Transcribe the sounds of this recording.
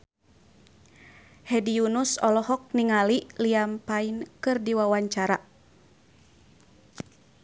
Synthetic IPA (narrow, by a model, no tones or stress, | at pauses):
hɛdiunusɔlɔɦɔk̚niŋaliʔliampainkɨrdiwawaɲt͡ʃaɾa